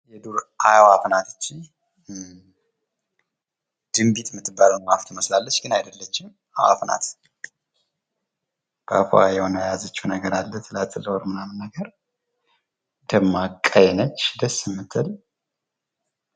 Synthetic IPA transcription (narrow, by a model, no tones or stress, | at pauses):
jɛd̪uɾʔajawafnat̪ʰɨt͡ʃːi | d̪̥ɨmbit̪mɨt̪ːɨbːalunmaft̪ʰɨməslalːət͡ʃːɡɨnajd̪əlːət͡ʃːɪm | awa̰fna̰t̪ | b̥əa̰fo̰ajɛhonəjjazət͡ʃːuunəɡəɾalːət̪ʰɨlat̪ʰʼːɨlːəwoɾmɨnamɨnːəɡəɾ | d̪̥əmːakʼːajɛnət͡ʃːd̪əsːɪmːɨt̪ʰːɨl